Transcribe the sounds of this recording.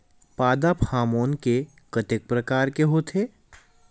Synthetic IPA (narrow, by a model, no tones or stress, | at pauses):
paːd̪apʰaːmoːnke | kɐt̪ɪk̚pɾɐkaːɾkeɦot̪ʰeː